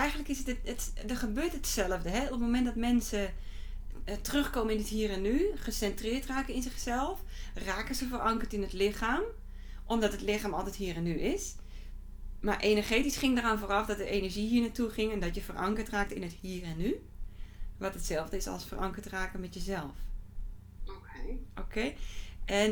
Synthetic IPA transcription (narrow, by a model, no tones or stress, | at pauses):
ɛjxən̩tləkɪsətdəχəbøːtətsɛlˠəvdəɦɛop̚momɛntdɔtmɛnsə | tərøxkoməɪnəthiːrɛnːyχəsɛntrɪːtraːkəɪnzɪxsɛlˠfraːkəzəfərʔɑŋkərtɪnətlɪxaːm | ʔɔmdɔtətlɪxaːmɔlˠtɛthiːərɛnːyʔɪs | maɹʔenəɹχeːtisχɪŋdəraːnfoːrɑfdɔt̚dəʔeːnəɹʒiɦiːənatuχɪŋɛndɔtjəfərʔɑ̰ŋkərtraːk̚təɪnəthiːrɛnːy | ʋɔtətsɛlˠvdəɪsɔ̰lˠsfərʔɑŋkəɹtraːkəmɛtjəzɛlˠf | ookʰeːʔɛn